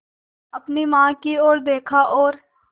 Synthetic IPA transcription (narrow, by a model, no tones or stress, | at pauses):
ɐpnimãːkioːɾd̪eːkʰaʔɔːɾ